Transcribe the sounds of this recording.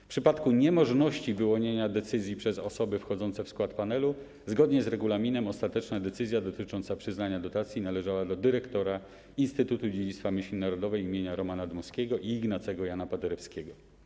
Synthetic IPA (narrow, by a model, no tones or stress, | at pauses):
fpʂɘpat̪kuɲɛmɔʐnɔɕt͡ɕivɘwɔɲeɲad̪ɛt̪sɘzʲjipʂɛzɔsɔbɘfxɔd̪ɔnt̪sɛfskwat̪panɛlu | zɡɔd̪ɲɛzɾɛɡulamʲinɛmɔst̪at̪ɛt͡ʂnad̪ɛt̪sɘzʲjad̪ɔt̪ɘt͡ʂɔnt̪sapʂɘznaɲad̪ɔt̪at̪sʲjinalɛʐawad̪ɔd̪ɘɾɛkt̪ɔɾa | inst̪ɘt̪ut̪ud͡ʑed͡ʑit̪t̪famʲɘɕlʲinaɾɔd̪ɔvɛjimʲjeɲaɾɔmanad̪mɔskʲɛɡɔʔiːɡnat̪sɛɡɔjanapad̪ɛɾɛfskʲeɡɔ